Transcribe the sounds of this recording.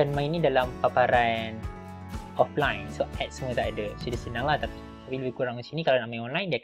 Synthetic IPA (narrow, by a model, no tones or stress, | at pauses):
anmãinĩdalampapaɾan | ʔɔflajnsoʔɛt̪̚səmuət̪aʔadəsodasənãŋlaht̪api | apiləbɪhkuɾaŋənsinikalanaʔmaɔnlajndia